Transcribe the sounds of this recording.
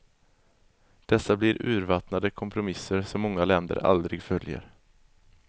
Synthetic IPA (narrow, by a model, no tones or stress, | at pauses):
d̪̥ɛsːablɪɾʔʉ̟ːɾvat̪nad̪əkʰɔmpʰɾʊmɪsːəɾsɔmːɔŋːalɛnd̪ə̰ɾa̰ld̪ɾɪɡfœljə̰ɾ